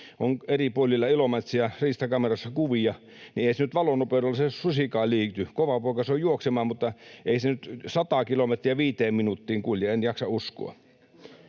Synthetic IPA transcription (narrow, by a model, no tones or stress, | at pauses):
oneripuolʲːilːɑilomet̪riɑriːst̪ɑkɑmerɑsːɑkuʋijɑ | nieisenyt̪ʋɑlonoperolːɑsesusikɑːliːt̪ykoʋɑpoˑikɑsojuoksemɑːmut̪ːɑeˑisenyt̪sɑt̪ɑˑːkilomet̪riɑʋiːt̪eːmminut̪ːiːŋkulʲjɑenjɑksɑusko̰ɑ̰